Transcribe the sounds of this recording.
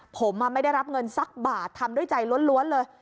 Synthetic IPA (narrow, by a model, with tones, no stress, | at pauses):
pʰo˩˦mːaː˧ma˥˩jda˥˩jɾa˦˥p̚ŋɤ˧nsa˦˥k̚baː˨˩t̪ʰːa˧mdu˥˩əjt͡ɕa˧jlu˦˥nlu˦˥ənlɤː˧j